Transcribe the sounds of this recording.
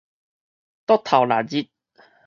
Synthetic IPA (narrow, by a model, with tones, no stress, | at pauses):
t̪ɔ˥t̪ʰa˨˩wlaː˨˩zi˧˥t̪̚